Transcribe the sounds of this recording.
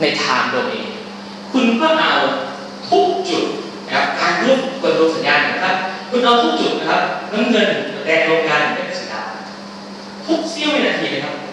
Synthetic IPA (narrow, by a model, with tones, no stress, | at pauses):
na˧jt̪ʰaː˧ŋdoː˧nʔḛː˧ | kʰu˧nkɔː˥˩ʔa˨˧˩w | t̪ʰu˦˥k̚t͡ɕu˨˩t̪̚ | a˧˨a˦˩p̚kaː˧nɾu˥˩kkʰu˧nɾo˧sa˩˦njaː˧nː˨˧˩na˧kʰa˦˥p̚kʰu˧nʔa˧wt̪ʰu˦˥k̚t͡ɕu˨˩t̪̚na˦˥kʰa˦˥p̚ŋɤ˧˥nŋɤ˧n˩ɾɛː˧ŋɾoː˧ŋkaː˧nː˨˩na˧˩ka˧˩sa˨˩˦ka̰ː˧˩ | t̪ʰu˦˥k̚si˦˥˩wha˥˩˨naː˧t̪ʰiː˧laː˧˩kʰa˦˥p̚